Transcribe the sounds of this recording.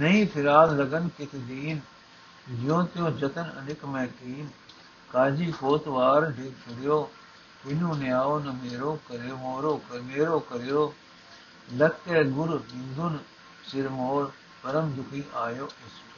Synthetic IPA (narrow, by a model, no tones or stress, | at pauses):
nɐĩːfʰɪɾaːllɐɡənkɪt̪ʰɪd̪iːn | d͡ʒɪjõt̪ɪjõːd͡ʑɐt̪ənɐ̰nɪkmẽːkiːn | kaːd͡ʑiːfoːt̪ʋaːɾɖʱɪkt͡ʃʰɐɽijoː | ɦɪnũnɪjaːʋʊnɐmeːɾokɐɾomoːɾokɐmeːɾoːkɐɾijoː | lɐkkeːɡʊɾɗɪ̃nd̪ʊn | sɪɾmoːɾ | pɐɾəmd̪ʱʊkʰĩːʔaːjoːɪs